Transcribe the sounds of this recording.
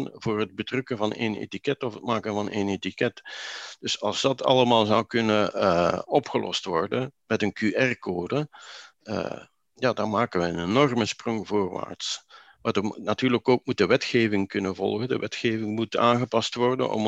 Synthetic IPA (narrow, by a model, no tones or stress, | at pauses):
nvʊːrəd̚bətrʏkənvɑnḛnḛtikɛtɔfət̚maːkənvɑnenetikɛtd̥ɵsɑ̰lˠzdɑtɑ̰ləmaːlˠzʌwkɵnə | ɔpxəlʔɔ̰stʋɔrdənmɛtənkyʔɛrkoːdə | ə̰ | jaːdɑnmaːkəʋɛjənenɔrməsprɔŋvoːrʋa̰ːrts | madənatyːrləkoːk̚mut̚dəʋɛtxeːvɪŋkɵnəvɔ̰lˠɣəndə̰ʋʔɛtxeːvɪŋmuta̰ːnɣəpɑstʋɔrdə̰nʔɔ̰m